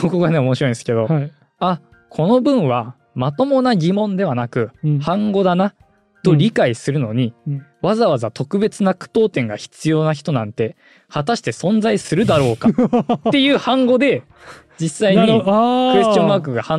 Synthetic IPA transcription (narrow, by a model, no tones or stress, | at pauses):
koko̞ɡane̞o̞moɕiɾo̞ĩnsɨ̥ke̞d̪o̞ | a | kʰo̞no̞bɯ̟̃ɰ̃βa | mat̪o̞mo̞naɡʲimõ̞nd̪e̞β̞anakɯ̟hãŋɡo̞d̪ana | t̪o̞ɾʲikaisɨɾɯ̟no̞ɲ̟iβazaβazat̪o̞kɯ̟be̞t͡sɨnakɯ̥p̪o̞ːt̪ẽ̞ŋɡaçi̥t͡sɨjo̞ːnaçi̥t̪o̞nãnt̪e̞ | hat̪aɕi̥t̪e̞sõ̞nzaisɨɾɯ̟d̪aɾo̞ːkat̪ːe̞jɯ̟ːhãŋɡo̞d̪e̞ | d͡ʑisːaiɲiɯ̟est͡ɕõmbaːk̬ɯɡahã